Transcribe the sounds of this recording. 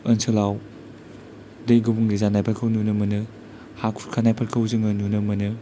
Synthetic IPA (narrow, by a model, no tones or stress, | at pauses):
ɐnsʰɯlaw | dejɡɯbuŋlizanajpʰɐɾkʰɯwnunɯmɐnɯ | hakʰuɾkʰanajpʰɐɾkʰɐwzɯŋɯnunɯmɐnɯ